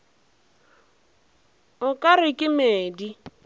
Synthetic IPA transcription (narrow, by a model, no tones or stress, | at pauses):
ʊkʼaɾɪkʼɪmeːdi